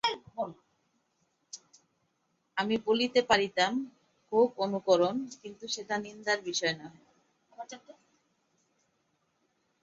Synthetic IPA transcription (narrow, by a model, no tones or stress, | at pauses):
bol | amibolit̪epaɾit̪am | kʰubonukoɾonkint̪uʃet̪anind̪aɾbiʃɔenaɦɔ